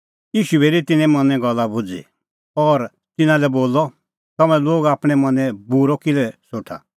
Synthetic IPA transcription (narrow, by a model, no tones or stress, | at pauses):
jiːʃueːɾit̪ɪnɛ̃mɐnɛ̃ɡɔlːabʊd͡zḭ | ɔɾ | t̪ɪnãlɛboːlɔ | t̪ɐmɛ̃loːɡaːpɽ̃ɛmɐ̃nɛ̃buɾɔkɪlɛsoːʈʰa̰